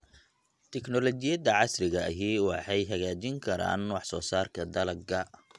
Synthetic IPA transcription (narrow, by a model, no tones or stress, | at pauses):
t̪ʰɛknɔlɔt͡ʃɪjɐd̪ɐʕɑsrɪɣɐɐɦiːwɑħɑjɦɐɣaːt͡ʃɪŋkʰɐɾa̰ːnwɑħsɔːsaːrkʰɐd̪ɐlɐɡɐ